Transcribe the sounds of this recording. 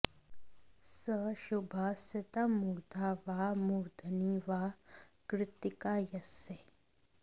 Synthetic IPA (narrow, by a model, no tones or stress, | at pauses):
sɐʃubʱaːsɐt̪ɐmud̪ʱaʋaːmud̪ʱɐniʋaːkɾɪt̪ikajɐse